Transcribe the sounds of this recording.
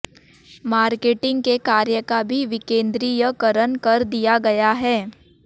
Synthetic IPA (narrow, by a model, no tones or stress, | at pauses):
maːɾkeːʈɪ̃ŋɡkekaːɾjəkabʱiʋɪkẽːnd̪ɾijəkəɾənkɐɾd̪ijaɡɐjaɦɛː